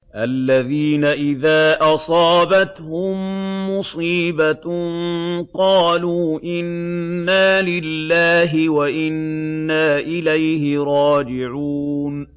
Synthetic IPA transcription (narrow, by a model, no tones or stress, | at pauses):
ʔalːaðiːnaʔɪðaːʔɑsˤɑːbat̪hʊmːʊsˤiːba | qɑːluːʔɪnːaːlɪlːaːɦɪwaʔɪnːaːʔɪlajhɪɾˤɑːd͡ʒɪʕuːn